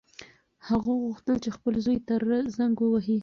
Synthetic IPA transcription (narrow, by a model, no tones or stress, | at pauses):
haɣoɣuxt̪əlt͡ʃexpəlzojt̪aɾzaŋɡwəwaɦi